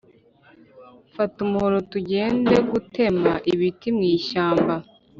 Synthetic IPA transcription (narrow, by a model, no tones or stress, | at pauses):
fatumuhoɾotuɟe̞ːnde̞ɡute̞maʔiβitimŋiːʃaːmba